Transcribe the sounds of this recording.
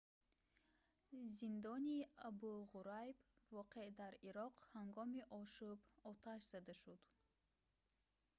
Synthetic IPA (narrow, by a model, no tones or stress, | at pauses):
zind̪ɔniabuʁuɾajbvɔqed̪aɾiɾɔqhaŋɡɔmiʔɔʃubɔt̪ʰaʃz̥ad̪aʃud̪̥